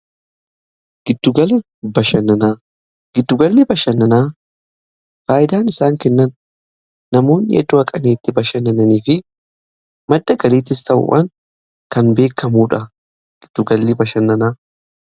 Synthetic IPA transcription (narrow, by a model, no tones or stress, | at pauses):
ɡ̥ɪd̪̥ːʊɡɐlɐ | bɐʃɐnɐnaː | ɡ̥ɪd̪ːʊɡɐlːɪbɐʃɐnːɐnaː | faːjɪd̪aːnɪsaːŋkɛnːɐnː | ɐmo̞ːnːɪʔɛ̰d̪ːʊɐkʼɐneːt̪ːɪbɐʃɐnːɐnɐniːfɪ | mɐd̪ːɐɡɐliːt̪̬ɪst̪ɐʔʊ̰ʔɐn | kɐnbe̞ːkːɐmuːᶑɐ | ɡ̥ɪd̪̥ːʊɡɐlːɪbɐʃɐnːɐnaː